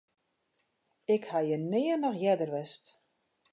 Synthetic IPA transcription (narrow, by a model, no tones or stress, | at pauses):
ɪkhajənɪːənɔxjɛdərʋɛst